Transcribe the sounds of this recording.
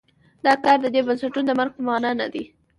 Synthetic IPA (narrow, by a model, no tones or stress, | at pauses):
d̪ɑkɑɾd̪əd̪ebansaʈunod̪əmaɾɡ̚pəmɑnɑna̰d̪i